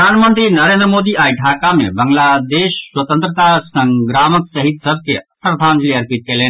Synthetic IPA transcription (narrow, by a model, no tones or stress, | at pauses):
aːnmə̃nt̪ɾinəɾẽːnd̪ɾəmoːd̪iaːiɖʱakamḛbɐŋɡlad̪eːʃswət̪ə̃nt̪ɾət̪asə̃ŋɡɾaːməksəɦid̪səb̚ʱkepɾəd̪ʱaːnd͡ʒliəɾpit̪̚keleːn